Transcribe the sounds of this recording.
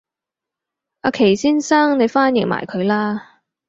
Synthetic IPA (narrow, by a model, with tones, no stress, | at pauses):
a˧kʰe˨˩jsiː˥nsaː˥ŋne˨˧jfaː˥njɪ˨ŋma̰ː˨˩jkʰɵ˨˧ɥlaː˥